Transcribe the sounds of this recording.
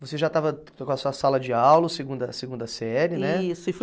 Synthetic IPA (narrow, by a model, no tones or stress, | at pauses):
voseʒat̪avɐk̪kõɐsuɐsalɐd͡ʒɪawlɐseɡũnd̪ɐseɡũnd̪ɐsɛɛɾɪnɛsʊɪf